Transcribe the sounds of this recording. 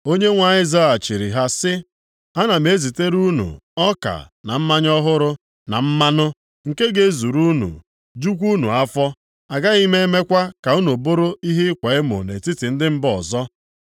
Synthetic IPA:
o˦ɲe˦ŋʷa˨ɲɪ˦za˦a˨t͡ʃi˨ɾḭ˨ɦa˦sɪ˦ | a˦na˨me˨˦zi˨te˦ɾu˦nṵ˨ɔ˦ka̰˨na˨m̩˦ma˦ɲɔ˦ɦʊ˦ɾʊ˦ | na̰˨m̩˦ma˦nʊ˦ | ŋ̩˨ke˦ɡe˦zu˨ɾu˦nṵ˨ | d͡ʒu˦k̬ʷu˦nu˨a˦fɔ˦ | a˨ɡa˦ɣi˦me˦me˦kʷa˦ka˨u˦nu˨bʊ˦ɾʊ˦i˦ɦɪ˦kʷe˨ɪ˦mo̰˨ne˨ti˦tɪ˨n̩˦dɪ˦m̩˦bɔ˨zɔ˦

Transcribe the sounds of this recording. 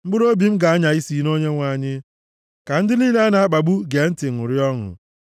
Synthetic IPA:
m̩˦ɡ͡bʊ˦ɾo˦bi˨m̩˦ɡa˨a˦ɲa˨i˦si˨no˦ɲe˦ŋʷa˨ɲɪ˦ | ka˨n̩˦dɪ˦niː˦le˦a˦na˨a˦k͡pa˨ɡ͡bu˦ɡe˨n̩˦tɪ˨ŋʊ˨ɾjɔ˦ŋʊ̰˨

